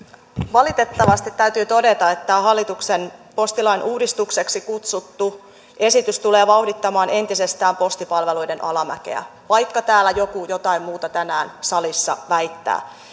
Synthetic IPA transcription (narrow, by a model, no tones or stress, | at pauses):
ʋɑlit̪e̞t̪ːɑʋɑst̪it̪tːæyt̪yːt̪o̞de̞t̪ɑet̪ːæoɦɑlːit̪uksenpo̞st̪ilɑinʔuːdist̪ukse̞ksikut̪sut̪ːu | e̞sit̪yst̪uleːʋɑuhdit̪ːɑmɑːne̞nt̪ise̞st̪æːmpo̞st̪ipɑlʋelujdenʔɑlɑmæ̰ke̞̰æ̰ʋɑjkːɑt̪æːlːæjokujot̪ɑimmuːt̪ɑt̪ænæːnsɑlisːɑ̰ʋæijt̪ːæ̰ː